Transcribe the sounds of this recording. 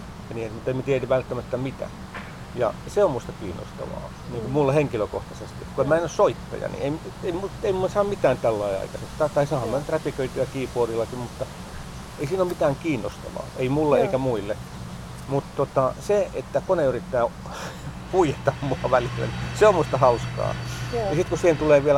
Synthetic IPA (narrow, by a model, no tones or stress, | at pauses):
jɑniːet̪mut̪ːemæt̪ienyʋʋælt̪ːæmæt̪ːæmit̪æ̰ | jɑ̰seomust̪ɑkiːnːo̰st̪ɑ̰ʋɑ̰ː | niːŋkumulːeheŋkiløko̰ht̪ɑsest̪it̪koemænːyssoit̪ːɑ̰jɑ̰nḭeimeimueimusɑːmmit̪æːnt̪ælːɑiɑ̰ikɑsekst̪ɑt̪ɑisɑːɑmmænːyt̪ræpikøit̪iɑkiːpoːrilːɑkimmut̪ːɑ | eisiːnomit̪æːŋkiːnːost̪ɑ̰ʋɑ̰ːeimulːeeikæmuilːe | mut̪t̪ot̪ɑseet̪ːækoneyrit̪ːæː | puijet̪ɑmmuɑʋælilːæ̰niseommust̪ɑhɑuskɑ̰ːnisit̪kusiːhent̪uleːʋiæl